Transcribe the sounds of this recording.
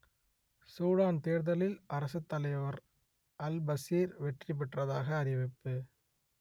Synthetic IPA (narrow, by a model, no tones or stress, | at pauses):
suːɽaːnt̪eːɾðɐlɪlʔɐɾɐsɐt̪ːɐlɐjʋɐɾ | ʔɐlbɐsiːɾʋɛʈrip̬ːɪʈrɐðaːɣɐːɾɪʋɪpːɯ